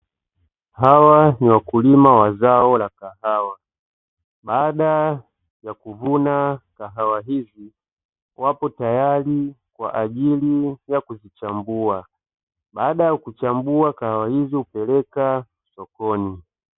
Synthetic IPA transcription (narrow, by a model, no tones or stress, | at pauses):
hawaniwakulimawazaɔlakahawa | ɓaːɗa | jakuvunakaɦawaɦivi | wapɔtajali | kwa̰ʔaʄilijakuzit͡ʃambua | ɓaːɗajakut͡ʃambuakahawahizihupɛlɛka | sɔkɔni